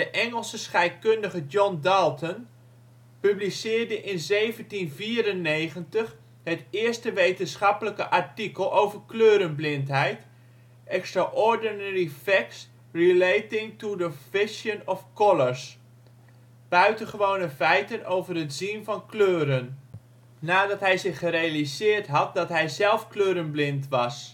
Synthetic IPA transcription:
d̥əʔɛŋəlˠsəsχɛjt̚kɵndəχəd͡ʒɔndɑlˠtən | pyblisɪːɹdəʔɪnzejvəntinviːrənːejχəntəχ | ɦətɪːɹstəʋejtənsχɑpələkəʔɑɹtikəlˠʔowvəɹkløːɾənblɪntɦɛjt | ɛkstraʔɔɹdənɛɹifɛks | rilejtɪŋtudəfɪʃjənɔfkɔləɹs | b̥œɥtəχəʋownəfɛjtənowvərɦətz̥invɑnkløːɾən | naːdɑtɦɛjzɪχərejalizɪːɹtɦɑt̚dɑtɦɛjzɛlˠfkløːɾənblɪntʋɑs

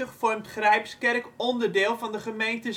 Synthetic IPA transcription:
əχfɔrmtχrɛjpskɛrkɔndərdɪːlˠvɑndəχəmejntə

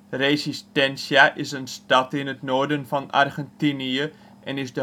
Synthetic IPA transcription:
resistɛnsjaʔɪsənstɑtɪnətnoːdənfɑna̰rɣɛntiniə | ʔɛnɪzdə

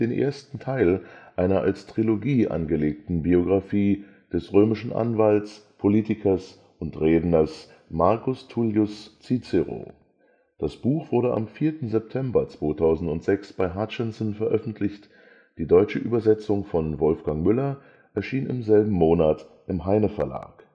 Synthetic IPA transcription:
d̥eːnʔḛːɐstn̩tʰaɪlʔaɪnɐʔa̰lstʁ̥iloɡiːʔa̰nɡəleːk̚tn̩bioɡʁafiː | d̥ɛsʁøːmɪʃn̩ʔa̰nvaltspʰoliːtɪkʰɐs | ʔʊntʁeːdn̩ɐs | maɐkʊstʰuljʊst͡sit͡sɛʁo̰ː | d̥asb̥uːxv̥ʊɐɾəʔa̰mfiːɐtn̩zɛp̚tʰɛmbɐt͡sv̥oːtʰaʊzn̩tʊntz̥ɛksb̥aɪɦat͡ʃɛnsnfɛɐʔœfn̩tʰlɪçt | d̥iːdɔʏt͡ʃəʔyːbɐzɛt͡sʊŋfɔnvɔlfɡ̥aŋmʏlɐ | ʔɛɐʃiːnɪ̰mzɛlbm̩moːnat | ʔɪmɦaɪnəfɛɐla̰ːk

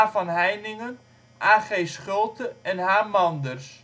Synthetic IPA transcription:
vɑnɦɛjnɪŋən | ʔaːχejsχɵlˠtəɛnɦaːmɑndərs

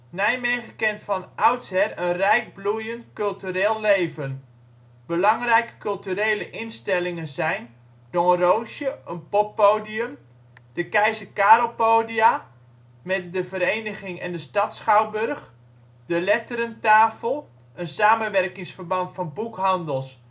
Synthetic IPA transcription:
nɛjmɪχəkɪntfɑnawtsɛrənrɛjk̚blujəntkɵlˠtyɾeːlˠːejvən | b̥əlɑŋrɛjkə̥kɵlˠtyɾeːləʔɪnstɛlɪŋənzɛjn | dɔrowʃjəʔənpɔpːowdiəm | d̥əkɛjzəkaːɾolˠpowdia | mɛt̚dəvəɾejnəχɪŋɛndəstɑtsχawbɵrχ | dəlɛtəɾəntaːfəlˠ | ʔənsaːmənʋɛrkɪŋsfərbɑntfɑnbukɦɑndəlˠs

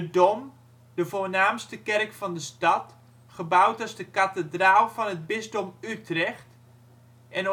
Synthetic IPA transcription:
ədom | dəvoːnaːmstəkɛrkfɑndəstɑt | χəbawtɔzdəkatədraːlˠvɔnəd̚bɪzdomytrɛxt | ɛn

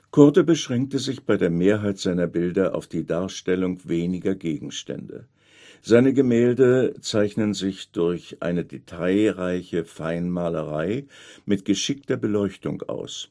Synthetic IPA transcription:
kʰɔɐtəbəʃʁ̥ɛŋk̚təzɪçb̥aɪdeːɐmeːɐɦaɪtz̥aɪnɐbɪldɐʔa̰ʊfd̥iːdaːɐʃtɛlʊŋveːnɪɡɐɡeːɡŋ̩ʃtɛ̰ndə̰ | z̥aɪnəɡəmɛːldət͡saɪçnənzɪçd̥ʊɐçʔa̰ɪnədetʰaɪʁaɪçəfaɪnmaːləʁaɪmɪtɡ̥əʃɪk̚tɐbəlɔʏçtʊ̰ŋʔa̰ʊs

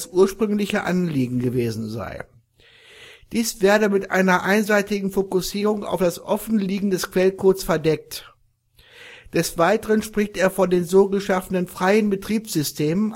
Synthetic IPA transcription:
sʔuːɐʃpʁ̥ʏŋlɪçəʔanliːɡŋ̩ɡəveːzn̩za̰ɪ | d̥iːsv̥ɛːɐdəmɪtʔa̰ɪnɐʔaɪnzaɪtɪɡŋ̩fokʊsiːʁ̞ʊŋa̰ʊfd̥asʔɔfn̩liːɡŋ̩dɛskv̥ɛlkʰoːsfɛɐdɛk̚t | d̥ɛsv̥aɪtəʁənʃpʁ̥ɪçteːɐfɔndeːnzoːɡəʃafənənfʁ̥aɪənbətʁ̥iːpz̥ʏstʰeːmən

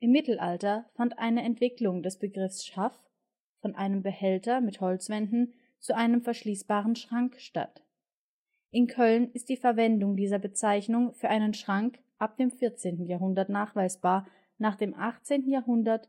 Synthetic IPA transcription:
ʔɪmːɪtl̩ʔaltɐfantʔa̰ɪnəɛntv̥ɪklʊŋdɛsb̥əɡʁɪfsʃaf | fɔnʔaɪnəmbəhɛltɐmɪthɔlt͡sv̥ɛndn̩ | t͡suʔaɪnəmfɛɐʃliːsb̥aːʁ̞ənʃʁ̥aŋkʃta̰t | ʔɪnkʰœlnɪst̚d̥iːfɛɐvɛndʊŋdiːzɐbət͡saɪçnʊŋfyːɐʔaɪnənʃʁ̥aŋk | ʔap̚d̥eːmfɪɐt͡seːntn̩jaːɦʊndɐtnaːχv̥aɪsb̥aːɐ | naːχd̥eːmʔaχt͡seːntn̩jaːɐɦʊndɐt

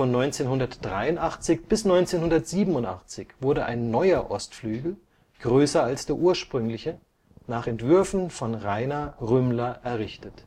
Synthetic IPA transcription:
fɔnːɔʏnt͡seːnhʊndɐtd̥ʁaɪʊntʔaχt͡sɪçb̥ɪsnɔʏnt͡seːnhʊndɐtz̥iːbm̩ʊnta̰χt͡sɪçv̥ʊɐdəʔa̰ɪnːɔʏɐʔɔstflyːɡl̩ | ɡ̥ʁøːsɐalsd̥eːɐʔuːɐʃpʁ̥ʏŋlɪçə | naːχɛntv̥ʏɐfn̩fɔnʁaɪnaʁʏmlɐʔɛɐʁɪçtət

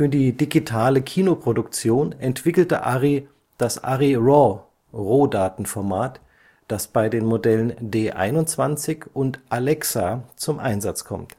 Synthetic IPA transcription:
fyːɐdiːdiɡitʰaːləkʰiːnopʁ̥odʊkt͡sjoːnɛntv̥ɪkl̩tə̰ʔa̰ʁi | d̥asʔa̰ʁiʁɔ | ʁoːdaːtn̩fɔɐmaːt | d̥asb̥aɪdeːnmodɛləndeːʔa̰ɪnʊnt͡sv̥ant͡sɪçʊntʔalɛksat͡sʊmʔa̰ɪnzat͡skʰɔ̰mt

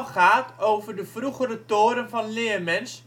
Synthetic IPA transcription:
χaːtowvərdəvruχəɾətoːɾənvɑnlɪːəmɛns

